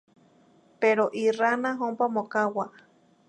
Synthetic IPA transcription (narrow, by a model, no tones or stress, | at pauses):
peɾoʔiranãɦompamõkawa